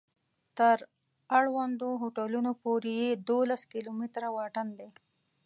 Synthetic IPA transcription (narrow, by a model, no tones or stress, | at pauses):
t̪əɾ | aɽwand̪oɦoʈalunopoɾejed̪olaskilomit̪ɾawɑʈənd̪e